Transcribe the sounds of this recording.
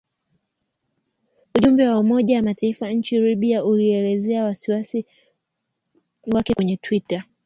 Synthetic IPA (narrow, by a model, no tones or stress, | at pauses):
uʄumbɛwaumɔʄawamataifaɲ̩t͡ʃiɾiɓiaʔuliɛlɛzɛawasiwasi | wakɛkwɛɲɛtwita